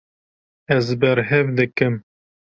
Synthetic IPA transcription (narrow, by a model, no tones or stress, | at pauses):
ɛzbɛɾɦɛvd̪ɨkɨm